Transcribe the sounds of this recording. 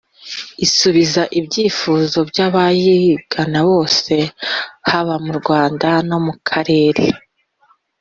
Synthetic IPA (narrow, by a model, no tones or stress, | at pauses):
isuβizaʔibɟiːfuzo̞bjaβajiɡ̥anaβo̞ːse̞haβamuɾɡwaːndano̞mukʰaɾe̞ːɾḛ